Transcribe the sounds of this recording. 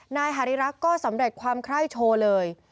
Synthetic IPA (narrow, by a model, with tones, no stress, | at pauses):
naː˧jɦa˨˩ɾi˦˥ɾa˦˥kkːɔː˥˩sa˩˦mɾe˨˩t̪̚kʰwaː˧mkʰɾa˥˩jt͡ɕʰoː˧lɤː˧j